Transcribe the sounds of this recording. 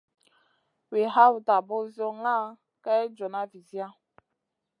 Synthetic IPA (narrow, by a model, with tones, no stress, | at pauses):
we˨ɦa˦wta˨bɔ˦zjɔ˦ŋa˦˨ | kɛ˦d͡ʒɔ˨na˦vi˨zi˦a˦